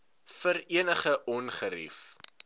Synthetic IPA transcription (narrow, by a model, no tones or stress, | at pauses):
fəɾiənəχəʔɔnχəɾḭf